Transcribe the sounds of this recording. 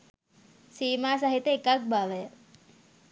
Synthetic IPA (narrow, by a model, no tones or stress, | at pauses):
siːmaːs̬aɦit̪eekak̚bʱaʋəjə